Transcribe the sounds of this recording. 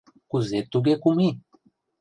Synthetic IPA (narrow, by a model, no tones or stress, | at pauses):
kuzet̪uɡekumi